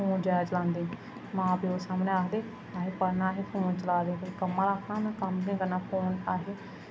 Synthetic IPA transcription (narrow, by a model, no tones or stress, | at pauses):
uːnd͡ʒaːt͡ʃəlãːnd̪ẽː | mãːpiːoːsaːmnẽːaːkʰd̪eː | aːɦeːpəɾnaːɦeːpuːnt͡ʃəlaːd̪ẽːɾkəmːãːɾaːkʰnãːmɛ̃ːkəmĩːkəɾnaːpʰoːnaːɦeː